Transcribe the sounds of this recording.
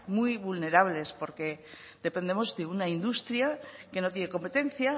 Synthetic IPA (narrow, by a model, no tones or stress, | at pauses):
mujβulne̞ɾaβle̞spo̞ɾke̞ | ðe̞pe̞nd̪e̞mo̞zðe̞unaind̪ust̪ɾjake̞no̞t̪̬jene̞ko̞mpe̞t̪ẽ̞n̟θja